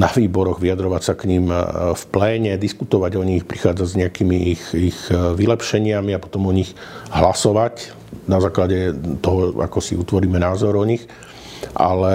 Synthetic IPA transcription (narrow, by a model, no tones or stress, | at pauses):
naʋiːbɔɾɔɣʋiad̪ɾɔʋacsakɲiːmfplɛːɲɛd̪iskut̪ɔʋaɟɔɲixpɾixaːd͡zazɲɛakiːmiixixʋilɛpʃɛɲɪamiapɔ̥t̪ɔmɔɲix | ɦlasɔʋac | nazaːklaɟɛt̪ɔɦɔa̰kɔsḭut̪ʋɔɾiːmɛnaːzɔɾɔɲix | ʔa̰lɛ